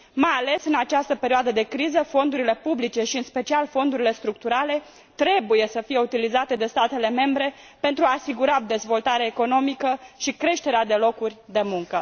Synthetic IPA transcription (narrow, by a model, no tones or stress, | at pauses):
majale̞sɨnat͡ʃast̪əpe̞ɾioad̪əd̪e̞kɾizəfo̞nd̪uɾile̞publit͡ʃe̞ʃiɨnspe̞t͡ʃialfo̞nd̪uɾile̞st̪ɾuk̚t̪uɾale̞ | t̪ɾe̞buje̞səfije̞ut̪ilizat̪e̞d̪e̞st̪at̪e̞le̞me̞mbɾe̞ | pe̞nt̪ɾuaːsiɡuɾad̪e̞zvo̞lt̪aɾeaeko̞no̞mikəʃikɾe̞ʃt̪e̞ɾead̪e̞lo̞kurʲd̪e̞muŋkə